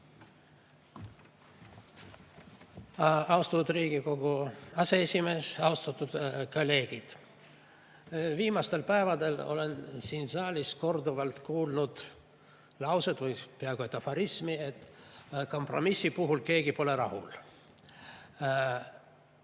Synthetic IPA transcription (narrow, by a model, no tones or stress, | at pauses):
ɑwst̪ɑt̪ud̪riːɡ̥iko̞ɡ̥uɑseesʲime̞ːsɑwst̪ɑt̪ːˑud̪̥kolʲːe̞ːɡ̥id̪̥ | viːmɑst̪e̞lpæevɑd̪e̞lo̞̰le̞nsiːnsɑːlʲisko̞rd̪uvɑlt̪kuːlnud̪̥ | lɑwsed̪vɨjpeɑɡ̥uet̪ːɑfɑɾismiet̪ːko̞mpro̞̰misːipuɦulke̞ːɡipo̞le̞ɾɑhṵl